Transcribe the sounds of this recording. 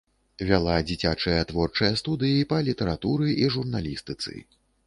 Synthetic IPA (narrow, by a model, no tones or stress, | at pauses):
vʲalˠad͡zʲit͡sʲat͡ʂɐjɐt̪vɔrt͡ʂɐjɐst̪ud̪ɨjipɐlʲit̪ɐɾat̪uɾɨʔiʐurnalʲist̪ɨt̪sɨ̰